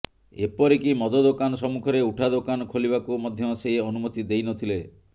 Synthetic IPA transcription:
ḛpɔɾikimɔd̪ɔd̪okanɔsɔmukʰɔɾeuʈʰad̪okanɔkʰolibakumɔd̪ʱjɔseɦiɔnumɔt̪id̪ejnɔt̪ʰile

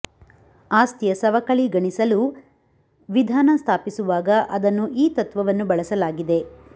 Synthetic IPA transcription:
aːst̪ijɐsɐʋɐkɐɭiɡɐɳisɐlu | ʋid̪ʱaːnɐst̪ʰaːpisuʋaːɡɐʔɐd̪ɐnːuʔiːt̪ɐt̪ʋɐʋɐnːubɐɭɐsɐlaːɡid̪e̞

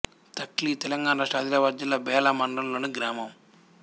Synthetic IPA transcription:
t̪ɐklit̪ɛlɐŋɡaːnɐʂʈaːd̪ilɐʋɐɾd͡ʒɐlɐbɛːlɐmɐɳɖɐnloːniɡɾaːmɐm

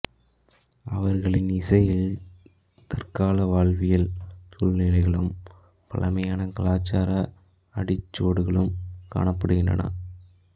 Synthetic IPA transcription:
ɐʋɐɾɣɐɭɪnɪsɐjɪl | t̪ɐrkaːlɐʋaːɭʋɪjɐlsʊɭnɪlɐɪɣɐɭɯm | pɐ̰ɭɐmɐjaːnɐkɐlaːt͡ʃːaːɾɐ | ɐɽɪt͡ʃːoːɽɯɣɐɭɯmka̰ːɳɐpːɐɽɯɣɪndrɐ̰nɐ̰

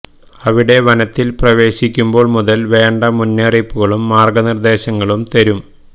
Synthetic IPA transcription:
ɐʋiɽe̞ʋɐnɐt̪ːilprɐʋe̞ːɕikʲːumbo̞ːɭmuðɐlʋe̞ːɳɖɐmunːeːripːuɣɐɭumːaːrɡɐnird̪e̞ːɕɐŋːɐɭumt̪ɐɾum

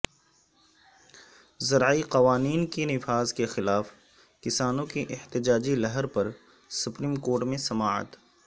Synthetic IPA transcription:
zɐɾaiqɐʋaːniːnkenɪfaːzkexɪlaːf | kɪsaːnõkeʔɪht̪ɪd͡ʒaːd͡ʒilɐɦəɾpɐɾ | sʊpɾiːmkoːɾʈmẽsɐmaːə̰t̪

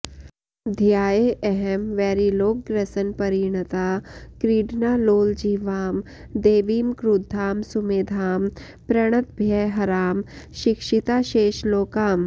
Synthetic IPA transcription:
d̪ʱjaːjeʔɛɦɛmʋɛːɾiloːk̚ɡɾɐsənpɐɾiːɳ̃ət̪aːkɾiːɖnaːloːld͡ʒiːʋaːm | d̪eːʋiːmkɾud̪ʱːaːmsʊmeːd̪ʱaːm | pɾɐɽ̃ət̪̚bʱjɛɦɐɾaːmʃɪkʃit̪aːʃeːʃloːkaːm

